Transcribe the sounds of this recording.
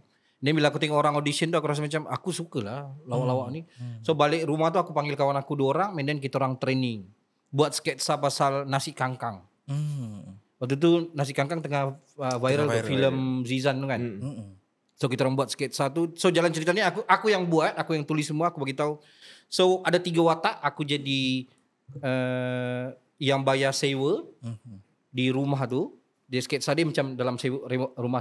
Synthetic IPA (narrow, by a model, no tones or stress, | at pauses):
nɛmbilãkut̪iŋoɾaŋodisiənt̪uakuɾas̬amat͡ʃamakusukəlahlawaʔlawaʔnisobalɪkɾumaht̪̬uakupaŋɡɪlkawanakuduoɾaŋmɛndɛnk̬it̪aoɾaŋt̪ɾenɪŋ | buat̪̚skɛt̪̚sapasalnasɪkaŋkaŋ | wak̚t̪̬ut̪̬unas̬ɪkaŋkaŋt̪əŋah | əvajɾəlfiləmzizant̪ukan | sok̬it̪aoɾaŋbuat̪sket̪̚sat̪usod͡ʒalant͡ʃəɾit̪aɲaːkuʔakujaŋbuat̪̚akujaŋt̪ulɪsːəmuaːkubaɡit̪au | soadat̪iɡawat̪aʔakud͡ʒadi | ə | jaŋbajasewə | diɾumaɦt̪u | desket̪̚sademat͡ʃamdalamsewrerumah